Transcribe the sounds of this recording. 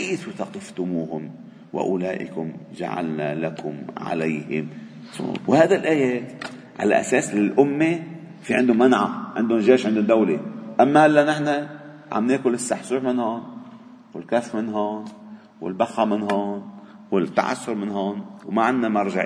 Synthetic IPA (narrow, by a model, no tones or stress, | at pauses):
keːθut̪ɑqɪft̪ʊmuːhʊm | wa̰ʔʊlaːʔɪ̰kʊmʒa̰ʕa̰lnalakʊmʕa̰lajhɪ̰m | so̰whaːd̪alʔaːjeːt̪ | ʕa̰la̰ʔa̰seːslɪlʔʊmːe | fiʕɪnd̪ʊmanʕaʕɪ̰nd̪ʊnʒeːʃʕɪnd̪ʊnd̪awleʔamːahalːanɪħna | ʕa̰mneːkʊlɪsːaħsuːħmɪnhoːn | wɪlkafmɪnɦoːn | wɪ̰lbaxːamɪnɦoːn | wɪt̪ːa̰ʕa̰sːʊɾmɪnɦoːnwmaʕɪnːamɑɾˤʒaʕ